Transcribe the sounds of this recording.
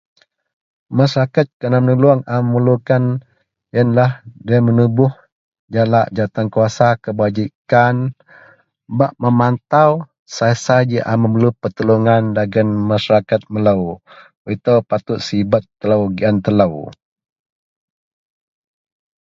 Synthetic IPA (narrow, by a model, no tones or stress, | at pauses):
masaɾakat̪̚kənamənəluaŋaməməlukan | jənlahdamənubʊh | d͡ʒalaʔd͡ʒat̪aŋkuasakəbad͡ʒikan | baʔməmant̪aw | sasad͡ʒiʔa̰məməlupərt̪əluŋandaɡənmasaɾakat̪̚məlaw | əit̪awpat̪ʊt̪̚sibat̪ːəlawɡiant̪əlaw